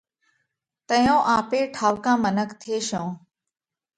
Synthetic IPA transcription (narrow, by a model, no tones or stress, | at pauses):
t̪əjõːʔaːpeːʈʰaːʋkãːmənəkt̪ʰɪeːʃõː